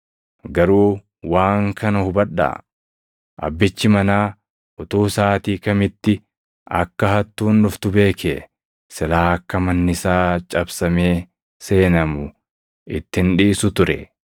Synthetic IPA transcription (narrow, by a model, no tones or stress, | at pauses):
ɡɐɾuː | waːŋkɐnɐhʊbɐᶑːa̰ | ʔɐ̰bːɪt͡ʃːɪmɐnaː | ʔʊt̪uːsaːt̪iːkɐmɪt̪ːɪ | ɐ̰kːɐɦɐt̪ːuːnːʊft̪ʊbe̞ːkʰe | sɪlaːɐkːɐmɐnːɪsaːt͡ʃʼɐbsɐme̞ː | se̞ːnɐmʊ | ʔɪt̪ːɪnᶑiːsʊt̪ʊɾɛ̰